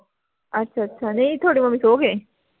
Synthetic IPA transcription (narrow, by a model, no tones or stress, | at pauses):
ɐtːɕʰaɐtːɕʰaneit̪ʰoːɽimɐmisoɡe